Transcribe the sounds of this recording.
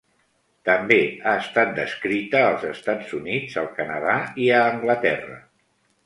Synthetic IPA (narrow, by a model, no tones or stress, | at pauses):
t̪əmbeaəst̪at̪̚d̪əskɾit̪əːlˠzəst̪ad͡zunidd͡zəlˠkənəðaiəːŋɡlət̪ɛrə̰